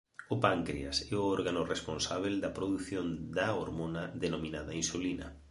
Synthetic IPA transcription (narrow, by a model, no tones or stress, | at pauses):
ʊpaŋkɾia̰sɛʊɔɾɣanʊresponsaβ̞eld̪ɐpɾoðuθjond̪aoɾmonaðenomĩnaðainsulinɐ̰